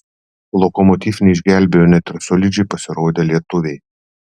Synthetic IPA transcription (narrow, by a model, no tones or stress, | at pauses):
lˠɔkɔmɔt̪ʲiːfnʲɛɪʒʲɡʲælʲbʲejoːnʲɛt̪ʲɪɾsɔlʲɪd͡ʒʲɛɪpɐsʲɪɾoːd̪ʲeːlʲiɛt̪ʊʋʲɛɪ